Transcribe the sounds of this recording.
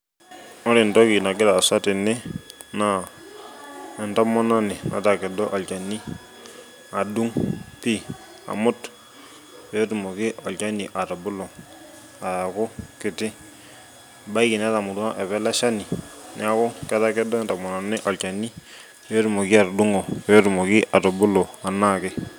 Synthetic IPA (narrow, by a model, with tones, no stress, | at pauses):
ɔ˦ɾɪ˨ntɔ˦ki˨na˨kɪ˦ta˨sa˦tɪ˨nɪ˦na˨ | ɛ˨nta˦mɔ˦nɔ˦nɪ˨na̰˨ta˨kɛ˨dɔ˦ʔa˨lt͡ʃa˨ni˦ | a˨du˦ŋpi˦ | a̰˨mʊ˦t | jo˦tu˨mo˨kɪ˦ʔɔ˨lt͡ʃa˦ni˨ʔa˨ta˨bʊ˦lɔ˨ | a˨ja˨kʊ˦kɪ˨tɪ˦ | ba˦i˦kɪ˨n˦a˦ta˨mʊ˨du˦ŋa˦ʔɛ˨βɛ˦la˦ʃa˦ni˨nɪ̰˨˦a˨kʊ˦kɛ˦ta˦kɛ˦dɔ˦ɛ˨ntɔ˨mɔ˨nɔ˨nɪ˦ʔɔ˨lt͡ʃa˨ni˦ | jo˦tʊ˨mo˨ki˦a˨ɾdʊ˦ŋo˨jɔ˦tu˨mɔ˨kɪ˦ʔa˨tɔ˨bʊ˦lɔ˨a˨na˦kɪ˦